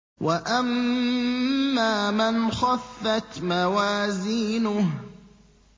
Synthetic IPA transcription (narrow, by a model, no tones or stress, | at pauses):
wʔaʔam | aːmanxɑfːat̪mawaːziːnʊh